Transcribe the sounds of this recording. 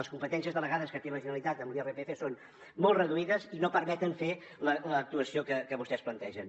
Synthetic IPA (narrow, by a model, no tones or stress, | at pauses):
əskumpət̪ɛns̬iəzðələɣaðəskət̪eməʒinəlit̪at̪əmlˠiɛrepefeson | molˠd̪rəðuiðəzinopəɾmɛt̪əɱfe | lələːk̚t̪uəsiokəkəβust̪ɛsplənt̪ɛʒən